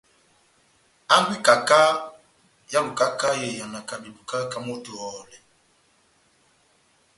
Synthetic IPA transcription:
a˦ŋ˦ɡwi˦ka˨ka˦ | ja˦lu˨ka˦ka˦je˨ja˨na˨ka˨bi˨bu˨ka˦ka˨mo˦tu˨ɔː˨lɛ˨

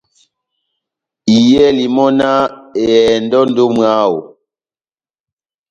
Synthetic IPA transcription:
i˨jɛ˦li˨mɔ˦na˦e˨ɛ˨ndɔ˦ndo˦mwaː˦wo̰˨

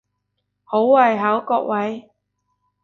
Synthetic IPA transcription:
ho˨˥wwɐ˨˩jɦaː˨˥wkɔː˧k̚wɐ˨˥j

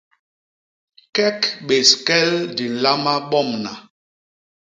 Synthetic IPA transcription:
kɛ˦kɓe˨skɛ˦ldi˨n̩˨la˦ma˦ɓɔ˦˨mna˨

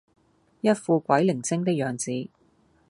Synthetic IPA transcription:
jɐ˥t̚fuː˧kʷɐ˨˥jlɪ˨˩ŋt͡sɪ˥ŋt̪ɪ˥k̚jœː˨˧ŋt͡siː˨˥

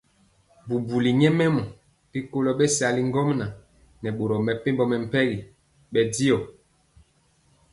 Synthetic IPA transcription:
bu˨bu˨li˨ɲɛ˦mɛ˦mɔ˨ | pi˦ko˦lɔ˦ɓɛ˦sa˨li˦ŋ˦ɡɔ˦mna˨ | nɛ˨ɓo˨ɾɔ˨mɛ˨pe˦mbɔ˨mɛ˨m̩˨pɛ˦ɣi˨ | ɓɛ˨di˦ɔ˨

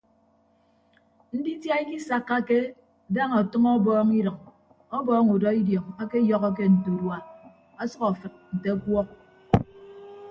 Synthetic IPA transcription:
n̩˦di˦tja˦i˦ki˦sa˦kːa˦ke˦ | da˦ŋɔ˨tʌ˦ŋɔ˦bɔː˦ŋi˦ɾʌ˨ŋ | ɔ˦bɔː˦ŋu˨dɔ˦i˦djɔ˨ŋa˦ke˦jɔ˦ɣɔ˦k̬e˦n̩˨to˨dwa˨ | a˦sʌ˦kɔ˨fɨ˨t̚n̩˨te˦kwɔ˦k̚

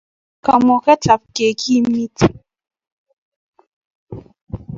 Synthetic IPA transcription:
ka˨mɔ˨kɛ˦t͡ɬa˨p̚ke˨kʰi˦mi˦t

